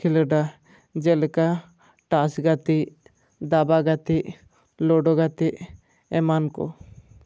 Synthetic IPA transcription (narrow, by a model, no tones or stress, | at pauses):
iləɖa | d͡ʒɛlɛka | ʈasɡat̪iʔ | d̪abaɡat̪iʔ | lɔɖɔɡat̪iʔ | ɛmankɔ̰